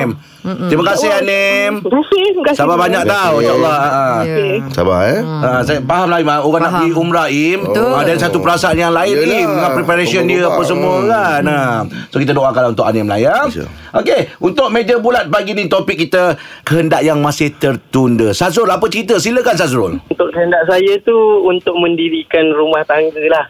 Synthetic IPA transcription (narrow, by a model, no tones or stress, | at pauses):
m | t̪ɾiməkasɪɦanɛm | sababaɲak̚t̪awujalːahaʔəsa̰ba̰əsapaɦamlaɪmauɣanaʔəliumɾaimadanisat̪upəɾasaanjaŋlaɪnimdəŋapɾipaɾesiəndiəapəs̬əmuəkanəmsokit̪ədoʔakalaunt̪ʊkanamla̰ja̰ | ʔokeunt̪ʊʔ̚med͡ʒəbulat̪̚paɡinĩt̪opɪkːit̪əkəɦəndaʔjaŋmasɪht̪ərt̪undəsazʊlapət͡ʃəɾit̪əsiləkansasɾʊlunt̪ʊʔkəɦəndaʔsajat̪uunt̪ʊk̚mə̃ndiɾikanrumaht̪aŋɡəlah